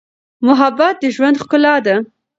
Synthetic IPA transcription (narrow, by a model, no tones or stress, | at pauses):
mʊɦabːat̪̚d̪əʒwand̪xkʊlɑd̪a